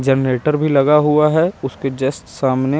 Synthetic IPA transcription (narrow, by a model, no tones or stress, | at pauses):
d͡ʒənɾeːʈəɾbʱilɐɡaɦuaɦɛʊsked͡ʒeːsʈsaːmne